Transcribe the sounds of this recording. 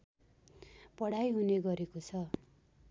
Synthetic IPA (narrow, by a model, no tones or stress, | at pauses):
pʌɽajɦuneɡʌɾekot͡sʰʌ